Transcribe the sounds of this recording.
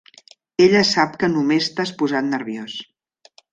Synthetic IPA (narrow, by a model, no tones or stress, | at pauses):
eʎəsap̚kənumest̪aspuzat̪̚nəɾβjos